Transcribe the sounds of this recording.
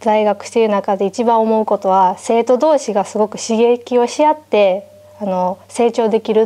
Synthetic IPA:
d̪aiɡakɯ̟̥ɕi̥t̪eɾɯ̟nakad̪e̞it͡ɕibãomo̞ɯ̟ko̞t̪o̞βase̞ːt̪o̞d̪o̞ːɕiɡasɨɡo̞kɯ̟̥ɕiɡe̞kʲio̞ɕijat̪ːe̞ | ano̞se̞ːt͡ɕo̞ːd̪e̞kʲiɾɯ̟

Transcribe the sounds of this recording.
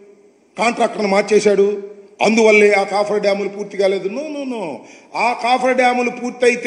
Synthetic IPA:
kaːɳʈɾaːk̚ʈɐɾnumaːɾt͡ʃeːsaːɽuɐ̰nd̪uʋɐlːeaːkaːpʰɐɾɐɖaːmulupuːɾt̪ːiɡaːleːd̪unuːnuːnu | aːkaːpʰɐɾɖaːmulupuːɾt̪ːɐjit̪

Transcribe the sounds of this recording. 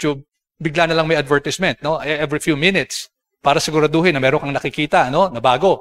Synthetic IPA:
t͡ʃub̚ | bɪɡlanɐlɐŋmɐjɐd̪vɛɹt̪ɪsmɛnt̪̚no̞ʔʔɛvɹifjumɪnɪt̪s | paːɾɐsɪɡʊɾad̪oɦɪnːɐmɛːɾoŋkɐŋnɐkɪkiːt̪ɐʔɐno̞nɐbaːɡo̞

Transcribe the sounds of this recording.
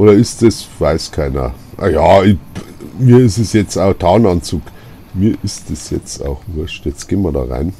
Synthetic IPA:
ʔoːɾɐɪstəsvaɪskʰaɪnɐ̰ | ʔajaːɪmiːɐɪsəsjɛt͡staʊxtʰaːnɑnt͡suːk | miːɐʔɪstd̥əsjɛt͡sta̰ʊxvʊɐʃtjɛt͡sɡ̥eːmɐdɑ̰ːʁa̰ɪn

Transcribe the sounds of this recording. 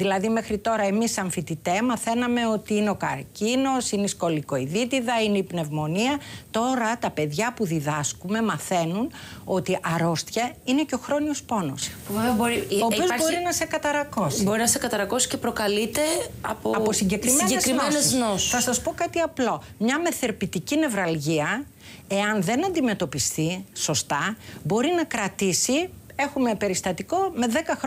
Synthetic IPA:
ðilɐðime̞xɾit̪o̞ɾɐe̞misɐɱfit̪it̪emɐθe̞nɐme̞o̞t̪iineo̞kɐ̰ɾcino̞sineisko̞likoiðit̪iðɐineipne̞vmo̞niɐt̪o̞ɾɐt̪ɐpe̞ðʝɐpuðiðɐskume̞mɐθe̞nuno̞t̪iʔɐɾo̞st̪çɐine̞ceo̞xɾo̞niospo̞no̞̰spuveveɐboɾiopozboɾinɐse̞kɐt̪ɐɾɐko̞sibo̞ɾinɐsekɐt̪ɐɾɐko̞si̥cepɾo̞kɐlit̪e̞ɐ̰poɐposiɲɟe̞kɾimeɟeesɾimeneznosɐsɐspo̞kɐt̪iɐplo̞ | mɲɐme̞θe̞ɾpit̪icine̞vɾɐlʝiɐ | e̞ɐnðe̞nɐnd̪ime̞t̪o̞pist̪iso̞st̪ɐbo̞ɾinɐkɾɐt̪isie̞xume̞pe̞ɾist̪ɐt̪iko̞me̞ðe̞kɐxɾ

